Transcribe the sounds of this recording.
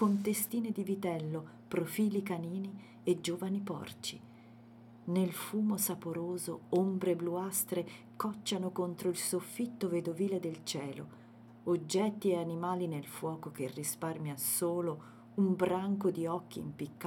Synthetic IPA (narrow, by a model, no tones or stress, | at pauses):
kont̪est̪iːned̪ivit̪ɛlːo | pɾofiːlikaniːni | ed͡ʒːoːvanipɔ̰rt͡ʃi | nelfuːmosapoɾoːzo̰ombɾebluast̪ɾe | kɔt͡ʃːanokont̪ɾoilsofːit̪ːoved̪oviːled̪elt͡ʃɛːlo̰ | od͡ʒːɛt̪ːieanimaːlinelfwɔːkokerːisparmjasoːlo | umbɾaŋkod̪iɔkːḭːmpikː